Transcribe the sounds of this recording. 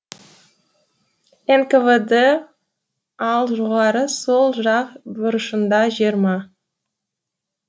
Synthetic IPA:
enkevəd̪ə | ɑlˠʒoʁɑɾəso̞lˠʒɑqbʊɾəʃənd̪ɑʒiɾmɑ

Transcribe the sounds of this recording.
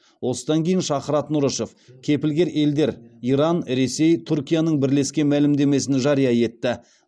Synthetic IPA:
wo̞səd̪ɑŋkʲʰe̞jɪnʃɑqəɾɑt̪nʊɾəʃo̞fkʲʰe̞pɪlɡʲe̞ɾʔe̞ld̪e̞ɾiɾɑnɾe̞se̞jt̪ʰuɾkʲijanəɴbɪɾle̞skʲe̞nmælɪmd̪e̞me̞s̬ɪnɪʒɑɾijɑje̞t̪ːɪ

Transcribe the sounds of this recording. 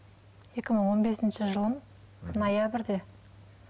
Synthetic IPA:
je̞kʲɪməɴwo̞nbe̞sɪnʃɪʒəlˠəm | nojabɪɾd̪e̞

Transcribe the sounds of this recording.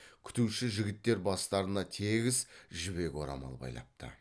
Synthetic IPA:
kʲʰʏ̥t̪uʃɪʒɪɡʲɪt̪ːe̞ɾbɑst̪ɑɾənɑt̪ʰe̞ɡʲɪzʒʏbe̞kʲo̞̰ɾɑ̰mɑ̰lˠbɑ̰jlˠɑ̰p̚t̪ə̰

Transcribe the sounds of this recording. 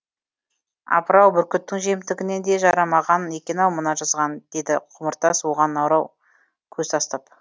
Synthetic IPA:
ɑ̰pəɾɑwbʏɾkʲʏt̪ːɪŋʒemɪt̪ɪɡʲɪne̞nd̪e̞ʒɑɾɑmɑʁɑnekʲe̞nɑwmənɑʒɑzʁɑnd̪̥e̞d̪ɪqʰʊməɾt̪ɑswo̞ʁɑnːɑwɾɑw | kʲʰɵzt̪ʰɑst̪ɑp

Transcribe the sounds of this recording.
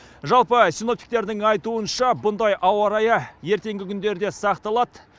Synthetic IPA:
ʒɑlˠpəsʲino̞pt̪ʲi̥k̚t̪e̞ɾd̪ɪŋɑjt̪uənʃɑbʊnd̪ɑjʔɑwɑɾɑjɑje̞ɾt̪e̞ŋɡʲɪkʲʰʏnd̪e̞ɾd̪e̞sɑqt̪ɑlˠɑd̪

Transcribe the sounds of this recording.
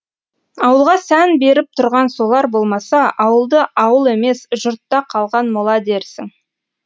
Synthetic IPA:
ɑwəlˠʁɑsænbe̞ɾɪp̚t̪ʰʊɾʁɑnso̞lˠɑɾbo̞lˠmɑsɑʔɑwəlˠd̪əʔɑwəlˠe̞me̞sʒʊɾt̪ːɑqʰɑlˠʁɑnmolˠɑd̪e̞ɾsɪ̰ŋ

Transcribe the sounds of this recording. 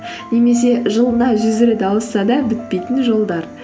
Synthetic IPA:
ne̞me̞s̬e̞ʒəlˠənɑʒʏzɪɾɪd̪ɑwəsːɑd̪ɑbɪt̪̚pe̞jt̪ɪnʒo̞lˠd̪ɑɾ

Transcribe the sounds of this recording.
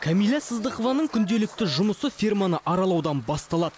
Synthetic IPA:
kʲʰamijlʲˠːɑsəzd̪əqovɑnəɴkʲʰʏnd̪e̞lɪk̚t̪ɪʒʊməsəfʲijrmɑnəʔɑɾɑlˠɑwd̪ɑnbɑst̪ɑlˠɑd̪ə

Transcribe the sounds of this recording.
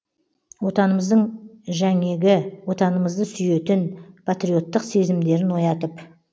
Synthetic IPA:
wo̞t̪ɑnəməzd̪əɴʒæŋe̞ɡʲɪwo̞t̪ɑnəməzd̪əsʏje̞t̪ɪnpʰat̪ɾijo̞t̪ːəqse̞zɪmd̪e̞ɾɪnwo̞jɑt̪əp

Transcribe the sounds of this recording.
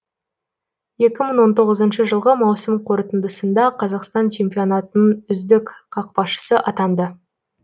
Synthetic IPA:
je̞kʲɪməɴwo̞nt̪ʰo̞ʁəzənʃəʒəlˠʁəmɑwsəmqʰo̞ɾt̪ənd̪əsənd̪ɑqʰɑzɑqst̪ɑnt͡ʃʰe̞mpijo̞nɑt̪ənənʏzd̪ɪkʲqʰɑq̚pɑʃə̥səʔɑt̪ɑnd̪ə

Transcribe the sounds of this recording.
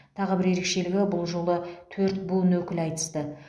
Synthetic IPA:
t̪ʰɑʁəbɪɾje̞ɾe̞kʃe̞lɪɡʲɪbʊlˠʒo̞lˠət̪ʰɵɾt̪bunwɵkʲɪlɑjt̪ə̥st̪ə

